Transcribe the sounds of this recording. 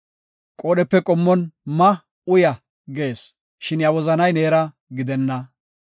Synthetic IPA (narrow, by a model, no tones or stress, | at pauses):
kʼoːɗɛpːɛkʼɔmːɔnmɐ | ʊjɐ | ɡe̞ːs | ʃɪnjɐwɔzɐnɐjne̞ːɾɐ | ɡɪd̪ɛnːɐ